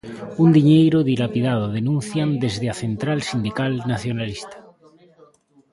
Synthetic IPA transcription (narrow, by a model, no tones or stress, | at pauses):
und̪iɲejɾoðilapiðað̞oðenũnθjand̪ezðeaθent̪ɾalsind̪ikalnaθjonalist̪ḁ